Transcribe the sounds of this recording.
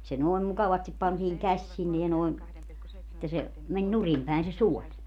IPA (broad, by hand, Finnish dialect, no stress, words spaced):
se noi̯m mukɑʋɑstip pɑntiːŋ kæsʲ sinːe jɑ noeŋ etːæ se menʲ nurim pæen se suolʲ